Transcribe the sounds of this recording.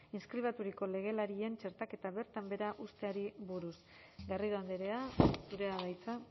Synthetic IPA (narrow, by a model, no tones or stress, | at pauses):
inskɾiβ̞at̪uɾiko̞le̞ɣ̞e̞laɾie̞nt͡ʃe̞ɾt̪ake̞t̪aβe̞ɾt̪ambe̞ɾaʔust̪e̞aɾiβuɾus | ɡariðoand̪eɾe̞asuɾe̞aðajt͡sa